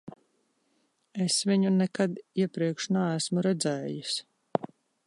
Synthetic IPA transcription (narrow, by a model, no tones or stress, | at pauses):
esviɲunɛkad̪iɛpɾiɛkʃnaæsmuɾɛd̪zɛːjus